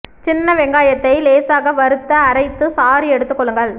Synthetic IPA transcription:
t͡ʃɪnːɐʋɛŋɡaːjɐt̪ːɐɪleːsaːɣɐʋɐɾɯt̪ːɐːɾɐɪt̪ːɯsaːɾiɛɽɯt̪ːɯkːɔɭːɯŋɡɐɭ

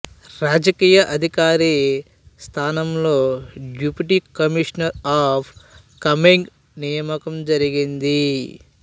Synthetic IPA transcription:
ɾaːd͡ʒɐkiːjɐʔɐd̪ʱikaːɾi | st̪ʰaːnɐmlo̞ːɖjuːpiʈikɐmiʂɐnɐɾaːpʰ | kɐmiŋɡ | nijɐmɐkɐmd͡ʒɐɾiɡind̪i

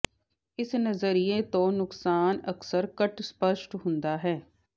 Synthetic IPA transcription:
ɪsnɐzəɾijet̪onʊksaːnɐksəɾkɐʈspəʃʈɦʊ̃nd̪aɦɛː

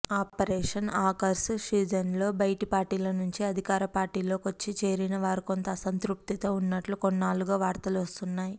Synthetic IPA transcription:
aːppɐɾɛːʂɐnaːkɐɾsʂiːd͡ʒɐnlo̞ːbɐjʈipaːɾʈiːlɐnuɲt͡ʃiɐd̪ʱikaːɾɐpaːɾʈiːlo̞ːkot͡ʃːit͡ʃe̞ːɾinɐʋaːɾiko̞nt̪ɐsɐnt̪ɾup̚t̪it̪o̞ːunːɐʈlukonːaːluɡaːʋaːɾt̪ɐluɐst̪unːaːji

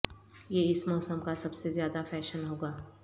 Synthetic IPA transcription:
jeɪsmɔːsəmkasɐbsezjaːd̪afɛːʃənɦoːɡaː

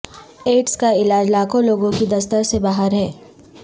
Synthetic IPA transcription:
eːʈskaɪlaːd͡ʒlaːkõloːɡõkid̪ɐst̪əɾsebaːɦəɾɦɛː

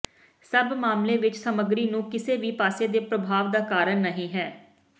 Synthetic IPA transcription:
səbmaːmleːʋɪt͡ʃsəməɡɾiːnũːkɪseːʋiːpaːseːd̪eːpɾəbʱaːʋd̪aːkaːɾənnəɦĩːɦɛː

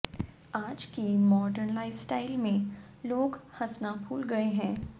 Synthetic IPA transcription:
aːd͡ʒkimɔːɖəɾnlaɪsʈaːɪlmẽ | loːɡhɐsnabʱuːlɡɐeɦɛ̃ː

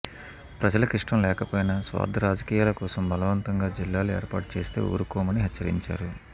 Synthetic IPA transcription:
pɾɐd͡ʒɐlɐkɾiʂʈɐmlɛːkɐpoːjɐnasʋa̰ːd̪ʱɐɾaːd͡ʒɐkiːjaːlɐkɔːsɐmbʱɐlɐʋɐnt̪ɐŋɡaːd͡ʒilːaːlueːɾpaːʈ̚t͡ʃe̞ːst̪e̞̰ːoːɾukɔːmɐniɦɐt͡ʃːɐɾḭɲt͡ʃa̰ːɾu

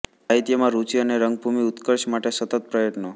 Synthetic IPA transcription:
aɦit̪jəmãɾut͡ʃiəneɾəŋɡ̚bʱumiut̪kəɾʃmaʈesət̪ət̪̚pɾəjəʈno

